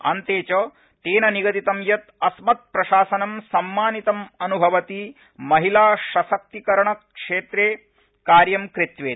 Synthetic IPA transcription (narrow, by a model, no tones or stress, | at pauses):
ɐ̰nt̪eːt͡ʃɐ | t̪eːnɐniɡɐt̪it̪ɐmjɐt̪ɐsmɐt̪̚pɾɐʃaːsɐnɐmsɐmːaːnit̪ɐmɐnubʱɐʋɐt̪i | mɐɦilaːʃɐsɐk̚t̪ikɐɾɐɳɐkʂeːt̪ɾeː | kaːɾjɐmkɾit̪ʋeː